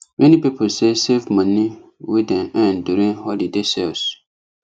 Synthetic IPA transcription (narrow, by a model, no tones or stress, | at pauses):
mɛ̃nipipʰolsesevmãniwidɛ̃nɛ̃nduɾĩnhɔlidesɛls